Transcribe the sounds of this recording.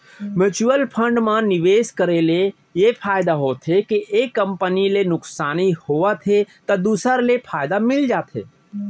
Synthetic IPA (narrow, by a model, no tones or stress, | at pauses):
mɪt͡ʃuəlpʰə̃ɳɖmãnɪʋeːskəɾele | jepʰaːjd̪aɦoːt̪ʰɦekiʔeːkːə̃mpənilenʊksaːnihoat̪ʰet̪ɐd̪uːsəɾlepʰaːjd̪amɪld͡ʒaːt̪ʰɦḛː